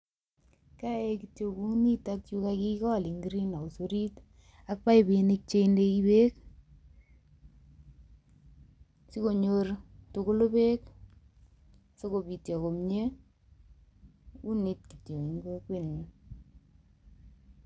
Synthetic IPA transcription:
ka˦e˦ki˨tjo˨ku˦ni˦ta˦k̚t͡ʃu˦kaki˦kɔ˦˨li˨ŋɡɾi˦na˨o˨so˦ɾi˦t | a˦k̚pa˦jbɪ˨nɪ˦k̚t͡ʃe˦nde˦i˦be˦k̚ | si˦ko˨ɲo˦rtʊ˨ko˦lo˦be˦k | so˦ko˨bi˨tjɔ˨ko˨mɲe˦ | u˦ni˦t̚ki˨tjo˨ŋi˨ŋɡo˦kwe˦˨nɲi˨

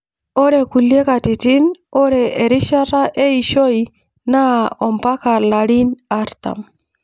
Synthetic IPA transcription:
ɔ˦ɾe˨ku˨le˦ka˨ti˨ti˦nɔ˦ɾɛː˨ɾi˦ʃa˦ɾa˦ʔe˦i˨ʃɔ˦i | na˦ɔ˨mpa˦ka˨la˨ɾi˦na˦ɾta̰˨m

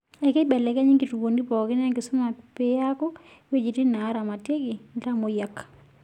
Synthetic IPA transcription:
ɛ˨ke˦ɓɛ˨lɛ˨ka˦ɲi˦ŋɡi˨tu˨wo˨ndi˦pɔ˨kɪ˦n˦a˦ŋɡɪ˨sʊ˦ma˨pe˦ja˦kɔ˦ | we˦d͡ʒi˨ti˦na˨˦ɾa˨ma˨te˦ɡi˨nta˦mo˨ja˨k

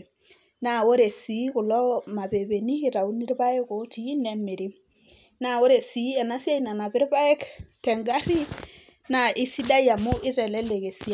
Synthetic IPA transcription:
na˨wo˦ɾe˨si˨˦ku˨lɔ˦ma˨be˨be˨ni˦i˨ɾa˨u˦ni˦ɾba˦ɛ˦ko˨tiː˨˦ne˨mi˨ɾi˦ | na˨wo˦ɾe˨si˨˦ɛ˨na˦sje˦i˨na˨na˨pɪ˦ɾba˦ɛ˦ktɛ˨ŋɡa˦ɾi˦ | na˨ʔi˦si˦da˦ja˨mu˦ʔi˦ɾɛ˨lɛ˦le˨ke˨si˦a˦

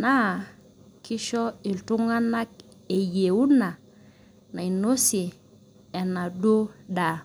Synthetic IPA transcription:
na˦˨ | ki˦ʃɔ˦i˨ltu˦ŋa˦na˦k̚ | e˨je˨u˦na˨ | na˨i˨no˦si˨ | ɛ˨na˨do˦da˨

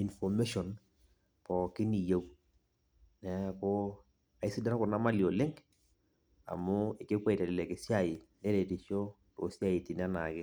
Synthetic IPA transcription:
i˨nfɔ˨me˦ʃɔ˨n | pɔ˨kɪ˦ni˨ja˦w | nɛ˨ko˦ | a˨ɪ˦si˦da˦na˦kʊ˨na˦ma˦li˨o˨lɪ˦ŋɡ | a̰˨mʊ˦ɪ˨kɪ˦kwɛ˦i˨ta˨lɪ˨lɛ˨kɪ˨sja˦˨ɪ˨nɛ˦ɾɛ˨ti˨ʃo˦ | to̰˨sja˦˨ɪ˨tɪ˨n˦a˦na̰˨kɪ˦

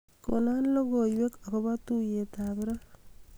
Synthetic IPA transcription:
ko̰˨na˦nlo˦ɡo˨jwe˦ka˨kɔ˦ba˦tu˦je˨ta˨bɪ˦ɾa˦

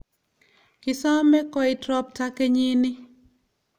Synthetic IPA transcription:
kɪ˨sa˦mɛ˦kɔ˦ɪ˨tɾɔ˦p̚ta˦ke˦ɲi˦nɪ˦

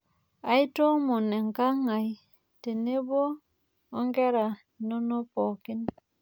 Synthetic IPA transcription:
a˦jto˦mo˨ne˨ŋka˦ŋa˨j | te˨ne˦boː˦ | ŋɡe˦ɾa˨ | no˦no˦po˨ki˦n

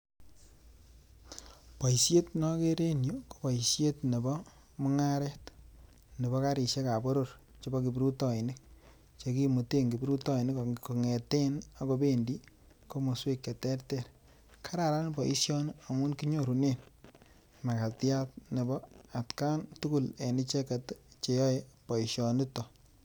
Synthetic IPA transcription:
pa˨isje˦tnɔ˦ke˦ɾe˦nju˦ko̥˨bɔ˨jsje˦tne˨bɔ˦ | mʊ˦ŋa˦ɾɛ˦t | ne˨bɔ˦ka˦ɾi˨ʃe˦ka˨bo˦ɾo˨ɾ | t͡ʃo˦bɔ˦ki˨bɾu˦tɔ˨i˨nɪ˦k̚ | t͡ʃe˨ki˦mu˨te˦ŋɡi˨bɾu˦tɔ˦i˨nɪ˦kko˨ŋe˨te˦na˦ko˦be˦ndi˦ | ko˦mo˨swe˦kːe˨tɛ˦rtɛ˦ɾ | kʰa˦ɾa˨ɾa˦nbɔ˨ḭ˦ʃjɔ˦n˦a˨mu˦nki˦ɲo˦ɾu˨ne˦˨n | ma˨ka˨tja˦t̚ne˨bɔ˦a˨tka˦ntu˦ku˦le˨ni˦t͡ʃe˦ka˨tt͡ʃe˨jɔ˦epɔ˨i˨ʃjɔ˨ni˦tɔ˨

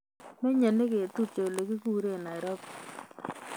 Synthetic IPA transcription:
me˦ɲe˨ne˦ke˨tu˦t͡ʃe˨le˨ki˦ku˦ɾe˦˨na˨ɪ˨ɾɔ˦p

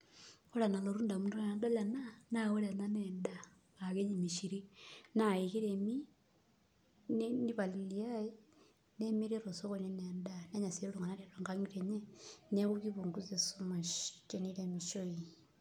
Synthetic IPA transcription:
o˦la˨na˨lo˨ɾuː˦nda˨mu˦du˦na˨nda˦la˨na˦na˦ɣo˦la˨na˦neːnda˦ | a˨ke˦ɲi˨mi˨ʃi˨ɾi˦na˦i˨ki˦ɾemi˦ | nini˦βa˨li˨liaji | ne˦mi˦ɾi˦ɾo˨so˦ɣo˨ɲe˦neːndane˦ɲa˨se˦lo˦˨ŋɡa˨na˦ɾe˨ɾa˨ŋɡa˦ŋɡi˦ɾeɲe˦ne˦ɣuki˦βu˨ŋɡu˦t͡se˨somaʃt͡ʃe˦nile˨miʃo˦i

